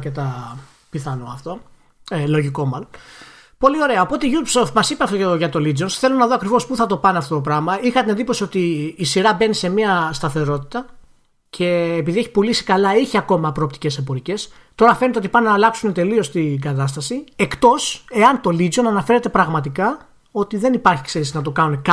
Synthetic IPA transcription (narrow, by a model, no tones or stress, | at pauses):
cet̪ɐ | piθɐnoɐft̪o̞ | elo̞ʝiko̞mɐlon | po̞lio̞ɾe̞ɐopo̞t̪eʝupsoft̪mɐsipeɐft̪oʝɐt̪o̞lid͡zonsθe̞lo̞nɐðoɐkɾivo̞spuθɐt̪o̞pɐneɐft̪o̞t̪opɾɐmɐixɐt̪inend̪ipo̞sio̞t̪iːsiɾɐbe̞nise̞miɐst̪ɐθe̞ɾo̞t̪i̥t̪ɐ | cʰe̞ːpiðieçi̥pulisi̥kɐlɐiçiɐko̞mɐpɾo̞ːpt̪i̥ce̞sebo̞ɾice̞s | t̪o̞ɾɐfe̞net̪eot̪ipɐnnɐːlɐksune̞t̪e̞lio̞st̪iɡɐt̪ɐst̪ɐsie̞kt̪o̞se̞ɐnt̪o̞lizo̞nɐnɐfe̞ɾe̞t̪e̞pɾɐɣmɐt̪ikɐ | o̞t̪iðe̞nipɐɾçi̥kseɾisinɐt̪okɐnune̞k